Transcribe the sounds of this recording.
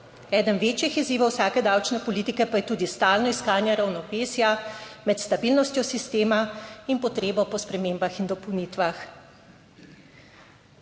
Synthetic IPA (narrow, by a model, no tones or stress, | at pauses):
ɛːd̪ənʋeːt͡ʃjixiziːʋawsaːkɛd̪awt͡ʃnɛpɔliːt̪ikɛpajɛt̪uːd̪ist̪aːlnɔiskaːnjɛɾawnɔʋeːsjamɛt̪st̪abiːlnɔst̪jɔsist̪eːmainpɔt̪ɾeːbɔpɔspɾɛmeːmbaxind̪ɔpɔwnit̪ʋax